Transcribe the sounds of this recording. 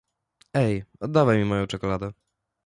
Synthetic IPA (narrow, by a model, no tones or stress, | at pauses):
ɛjɔd̪ːavajmʲimɔjɔ̃w̃t͡ʂɛkɔlad̪ɛ